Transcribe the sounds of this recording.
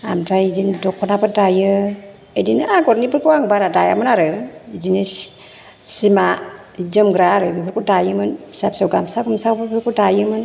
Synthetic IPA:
amdajid͡ʒindɔkʰːɔnapɯdajɯ | edinɯaɡɔɾnipɯɾkuaŋbaɾadaja̰mɯnaɾɯidini | sima | d͡ʒəmɡɾaɾɯbipəɾkudajɯmɯnsapsawɡamsaɡumsapɯpəɾkudajɯmɯn

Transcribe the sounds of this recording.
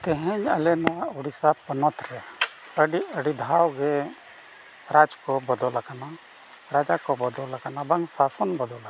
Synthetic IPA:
t̪ɛɦɛɲa̰lɛnauɽisapənɔt̪ɾɛ | əɖiəɖid̪ʱawɡɛ | ɾad͡ʒkɔbɔd̪ɔlakana | ɾad͡ʒakɔbɔd̪ɔlakanabaŋsasɔnbɔd̪ɔla

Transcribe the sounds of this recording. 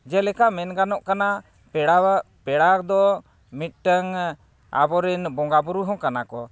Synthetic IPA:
d͡ʒɛlɛkaʔmɛnɡanɔʔkana | pɛɽaa | pɛɽakd̪ɔ | mit̪̚ˀʈəŋ | a̰bɔɾɛnbɔŋɡabuɾuɦɔ̃kanakɔ

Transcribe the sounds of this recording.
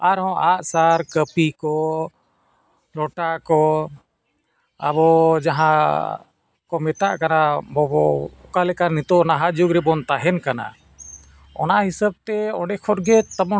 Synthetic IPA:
aɾɦɔ̃ʔaʔsaɾkəpikɔ | lɔʈakɔ | a̰bɔd͡ʒaɦã | kɔmɛt̪aʔkanabɔbɔkalɛkaɾnit̪ɔʔnaɦad͡ʒuɡɾɛbɔnt̪aɦɛnkana̰ | ɔ̰nahisəb̚t̪ɛɔɖɛkʰɔɾɡɛt̪amɔ

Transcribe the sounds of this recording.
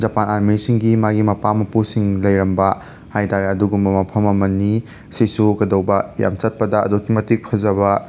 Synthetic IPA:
d͡ʒɐpanaɾmiɾisiŋɡimaɡimɐpamɐpusiŋlɐjɾɐmbɐ | hajtaɾeɐduɡumbɐmɐpʰɐmɐmɐnːi | sisukɐdɐwbɐja̰mt͡ʃɐt̚pɐdɐ̰ːdokʰːimɐtik̚pʰɐzɐβɐ

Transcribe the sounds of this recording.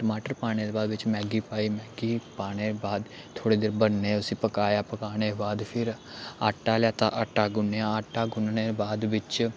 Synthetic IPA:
ʈəmaːʈəɾpaːɽ̃eːd̪eːbaːd̪ʋɪt͡ʃmɛ̃ːɡiːpaːiːmɛːɡiːpaːɽ̃eːbaːd̪ | t̪ʰoːɽeːd̪eːɾbənːeːʊsĩːpəkaːjaːpəkaːɽ̃eːbaːd̪pʰɪɾ | aːʈːaːljaːt̪ã̰ʔəʈːaːɡʊnjãːaːʈːaːɡʊnneːbaːd̪ʋɪt͡ʃ

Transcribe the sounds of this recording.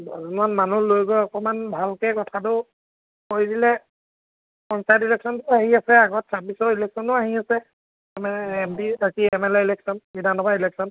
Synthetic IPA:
azunanmanulojɡojɔkɔmanbʱalkɛkɔtʰatʊ | kojdilɛ | pɔnsajtilɛksɔntʊaɦiasɛaɡɔt̚sabisɔilɛksɔntʊaɦiasɛ | mɛɛmdiakiɛmɛlɛilɛksɔnbidʱanɔbailɛksɔn

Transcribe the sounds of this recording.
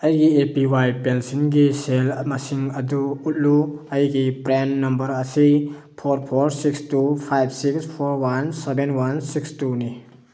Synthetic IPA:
ɐjɡiepiwajpensinɡiselmɐsiŋɐduːt̚luɐjɡipɾenːɐmbɐɾɐsi | pʰoɾpʰoɾsikstupʰajb̚ʰsikspʰoɾwansebenwansikstuni

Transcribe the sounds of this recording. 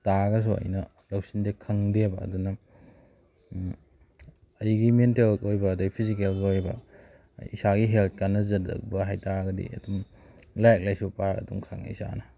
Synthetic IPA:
taɡɐs̬uɐ̰jnɐ | lɐwsindekʰɐŋdebɐ̰ːdunɐ | ɐjɡimentelkojbɐːdɐɡpʰizik̬elɡojbɐ̰ | isaɡiɦelt̚ʰkanːɐzɐdɐ̰k̚bɐɦajtaɾɡɐdḭɐ̰dum | lajk̚lajsupaɾɐ̰dṵŋkʰaŋisa̰nɐ

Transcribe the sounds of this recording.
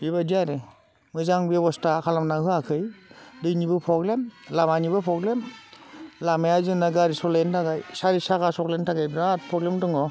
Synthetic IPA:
biβadiaɾe | mɯzaŋbebɔstakʰalamnaɦɯakʰɯjdɯjnibɯpʰɔɡlemlamanibɯpʰɾɔɡlem | lamajazɯnaɡaɾisɔlentʰaɡajsaɾisakasɔklentʰaɡajbɾat̚pʰɔɡlemtɯŋɔ

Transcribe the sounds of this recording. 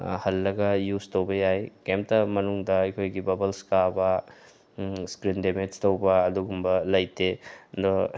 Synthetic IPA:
hɐlːɐɡɐjuztowbɐjajkemp̚tɐmɐnuŋdɐɐjkʰojɡibɐbɐlskabɐ | skɾindemed͡ʒtɐwbɐːduɡumbɐlɐjtedɔ

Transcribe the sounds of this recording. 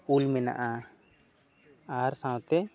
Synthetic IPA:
ulmɛna̰ʔa | aɾsãw̃t̪ɛ

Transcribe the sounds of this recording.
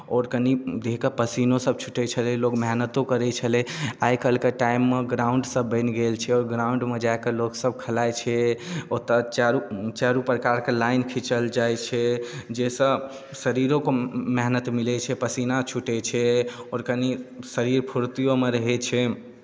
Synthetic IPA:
ɔɾkənid̪ʱekepəsinosəb̚t͡ʃʰu̥ʈɛt͡ʃʰəlɛlokmeɦnət̪okəɾɛt͡ʃʰəlɛajkəlkeʈajimːeɡɾaʊɳɖsəbːə̃ɪnɡelt͡ʃʰɛɔːɾɡɾauɳɖmed͡ʒakeloksəb̚kʰəlajt͡ʃʰɛot̪ət͡ʃaɾut͡ʃaɾupɾəkaɾkelajnkʰit͡ʃəld͡ʒajt͡ʃʰɛd͡ʒesə̃ | səɾiɾõkomeɦnət̪milɛt͡ʃʰɛpəsinat͡ʃʰuʈɛt͡ʃʰɛɔɾkənisəɾiɾpʰuɾt̪ijomeɾəɦɛt͡ʃʰɛ

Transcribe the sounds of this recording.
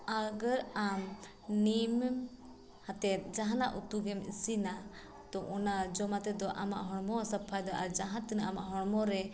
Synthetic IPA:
aɡəɾam | nimm | hat̪ɛt̪̚ˀd͡ʒaɦanaʔut̪uɡɛmisina | t̪ɔʔɔnad͡ʒɔmat̪ɛd̪ɔʔama̰ʔɦɔɽmɔsapʰajd̪ɔʔaɾd͡ʒaɦãt̪inaʔama̰ʔɦɔɽmɔɾɛ

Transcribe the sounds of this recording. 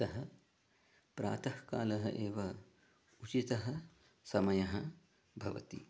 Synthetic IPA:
ɐɦɐ | pɾa̰ːt̪ɐhka̰ːlɐɦɐ̰ʔeːʋɐ | ut͡ʃit̪ɐɦɐ̆ | sɐmɐjɐɦɐ | bʱɐʋɐ̰t̪ḭ

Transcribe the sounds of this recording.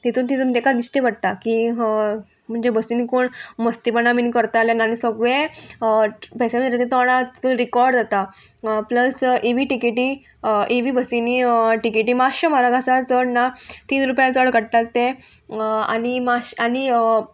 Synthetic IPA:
t̪et̪uːnt̪id͡zəmt̪ekad̪isʈebəɽ̚t̪aki | m̤əɳd͡zebəsinikoːɳməst̪ipənaminkəɾt̪aːlenanisəɡʋe | pɛsem̤əeet̪ẽt̪ɔɽ̃at̪i̥t̪uːnɾikɔɾɖd͡zat̪a | pləseʋiːʈikeʈiː | ʔeʋiːbəsiniʈikeʈiːmaɕəmaɾaɡasat͡səɽnat̪iːnɾupjãt͡səɽɡəɽʈalt̪e | a̰nimaɕani

